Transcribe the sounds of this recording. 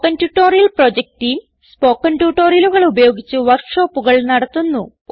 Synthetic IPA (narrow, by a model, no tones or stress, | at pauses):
kːɐntuʈːo̞ːɾijɐlprod͡ʑek̚ʈijm | spoːkːɐntjuʈːo̞ːɾiɐluɣɐɭubɐjo̞ːɡit͡ɕːuʋɐrkʂo̞ːpːuɣɐɭnɐɽɐt̪ːunːu